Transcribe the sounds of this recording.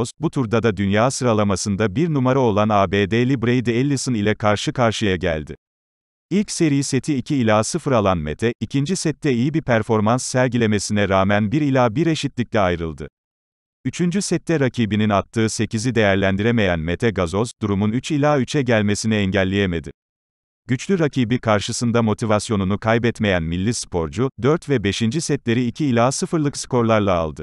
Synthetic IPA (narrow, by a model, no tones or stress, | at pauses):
sbut̪ʰuɾd̪ad̪ad̪ynjaːsɯɾalˠamasɯnd̪abiɾnumaɾao̞lˠanaːbeːd̪eːlʲibɾejd̪elʲːisɯnilʲɛkʰaɾʃɯkʰaɾʃɯjaɟæ̰lʲd̪ɪ̰ | ilʲcse̞ɾijise̞t̪ʰiːcʰiːlʲaːsɯfɯɾalˠanme̞̰t̪ʰɛicʰind͡ʒisɛt̪ːɛijibiɾpʰæɾfo̞ɾmansːæɾɟilʲe̞me̞sinɛɾaːmænbiɾilʲaːbiɾe̞ʃit̪lʲic̚lʲɛajɾɯlˠd̪ɯ̰ | yt͡ʃʰynd͡ʒysɛt̪ʰːɛɾacʰiːbininat̪ʰːɯːse̞cizid̪e̞jæɾlʲænd̪iɾeme̞jænmet̪ʰɛɡazo̞sd̪uɾumunyt͡ʃilʲaːyt͡ʃʰɛɟælʲme̞siniɛɲɟælʲːejeme̞d̪ɪ | ɟ̥yt͡ʃlʲyɾacʰiːbikʰaɾʃɯsɯnd̪amo̞t̪ʰivasjo̞nunukʰajbɛt̪me̞jænmilʲːispʰo̞ɾd͡ʒud̪øɾt̪vɛbe̞ʃind͡ʒisɛt̪lʲe̞ɾiːcʰiːlʲaːsɯfɯɾlˠɯksko̞ɾlˠaɾlˠa̰ːlˠd̪ɯ